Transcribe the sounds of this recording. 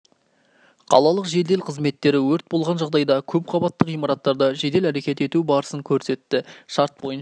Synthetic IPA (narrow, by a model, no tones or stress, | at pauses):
qʰɑ̰lˠɑlˠəqʒe̞d̪e̞lqʰəzme̞t̪ːe̞ɾɪwɵɾt̪̚bo̞lˠʁɑnʒɑʁd̪ɑjd̪ɑkʲʰɵp̚qʰɑbɑt̪ːəqijmɑɾɑt̪ːɑɾd̪ɑʒe̞d̪e̞læɾe̞kʲe̞t̪e̞t̪ubɑɾəsəŋkʲʰɵɾse̞t̪ːɪʃɑɾt̪̚bo̞jən